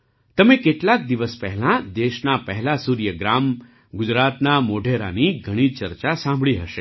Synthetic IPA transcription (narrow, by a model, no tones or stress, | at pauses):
t̪əmẽkeʈlak̚d̪iʋəspɛɦɛlãd̪eʃnapəɦɛlasuɾjəɡɾam | ɡʊd͡ʒɾat̪namoɖʱeɾa̰niɡʱəɽ̃it͡ʃəɾt͡ʃasãmbʱɭiɦəʃe